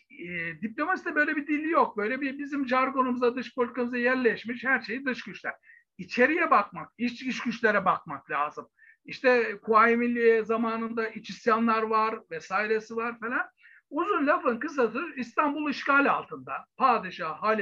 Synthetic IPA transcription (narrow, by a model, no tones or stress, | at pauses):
ɛd̪iplʲo̞masid̪ɛbø̞jlʲebid̪ilʲːijo̞k̚bø̞jlʲɛbibizimʒaɾɡo̞numuzad̪ɯʃpʰolʲik̪ʰamɯzajæɾlʲɛʃmiʃhæɾʃejid̪ɯʃɟyt͡ʃlʲæ̰ɾ̥ | it͡ʃʰe̞ɾijɛbakmak̚it͡ʃiʃɟyt͡ʃlʲe̞ɾɛbak̚maklʲa̰ːzɯm | iʃt̪ʰɛkʰuajimilʲːijɛzamaːnɯnd̪aʔit͡ʃʰisjanlˠaɾvaɾvɛsaːjiɾesivaɾfelʲan | uzunlʲafɯnkɯs̬asɯist̪ʰanbulˠiʃkaːlʲa̰lˠt̪ʰɯnd̪apʰaːd̪iʃaːɦaːlʲ